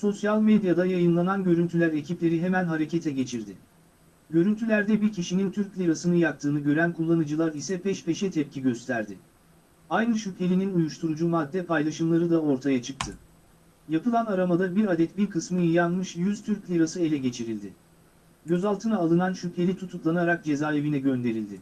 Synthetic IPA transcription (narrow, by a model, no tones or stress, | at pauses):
so̞sjalʲmed̪jad̪ajajɯnlˠananɟø̞ɾynt̪ʰylʲæɾe̞cʰiplʲe̞ɾiɦemænɦaɾe̞cʰe̞t̪ʰɛɟe̞t͡ʃʰiɾd̪ɪ | ɟø̞ɾynt̪ʰylʲæɾd̪ɛbiɾcʰiʃinint̪ʰyɾclʲiɾasɯnɯjak̚t̪ʰɯːnɯɟø̞ɾænkʰulˠːanɯd͡ʒɯlˠaɾisɛbɛʃpʰeʃɛt̪ʰɛp̚cʰiɟø̞st̪ʰæɾd̪ɪ | ajnɯʃype̞lʲininujuʃt̪ʰuɾud͡ʒumad̪ːɛpʰajlˠaʃɯmlˠaɾɯd̪ao̞ɾt̪ʰajat͡ʃʰɯk̚t̪ʰɯ | japɯlˠanaɾamad̪ˠabiɾad̪ɛt̪biɾkʰɯsmɯjɯjanmɯʃjyz̥t̪ʰyɾcʲlʲiɾasɯe̞lʲɛɟe̞t͡ʃʰiɾilʲd̪ɪ | ɟø̞zalˠt̪ʰɯnaːlˠɯnanʃypʰe̞lʲit̪ʰut̪ʰuk̪lˠanaɾak̚d͡ʒe̞zaːe̞vinɛɟø̞nd̪e̞ɾilʲd̪ɪ